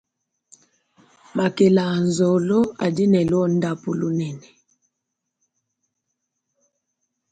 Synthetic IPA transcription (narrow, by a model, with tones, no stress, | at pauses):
ma˨kɛ˨la˨n˨zɔ˨lɔ˦a̰˨di˦nɛ˨lwɔ˦n̩˦da˦pu˨lu˦nɛ˨nɛ˨